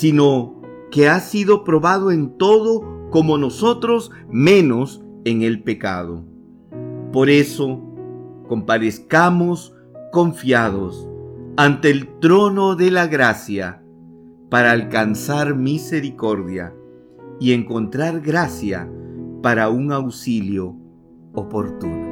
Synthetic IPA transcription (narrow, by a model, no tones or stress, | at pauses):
sino̞ | ke̞asiðo̞pɾo̞βaðoe̞nt̪o̞ðo̞ko̞mo̞no̞sot̪ɾo̞s | mẽ̞no̞seŋe̞lpe̞ka̰ð̞o̰ | po̞ɾeso̞ | ko̞mpaðeskamo̞s | ko̞ɱfjaðosant̪e̞ːlt̪ɾo̞noðelaɣɾasja | paɾaːlkansaɾmise̞ɾiko̞ɾðja̰ | ie̞ŋko̞nt̪ɾaɾɣɾasja̰paɾauŋawsiljo̞ | opoɾt̪uno